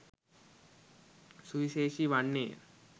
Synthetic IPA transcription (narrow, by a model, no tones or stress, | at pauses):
suʋiʃeːʃiʋaɳːḛː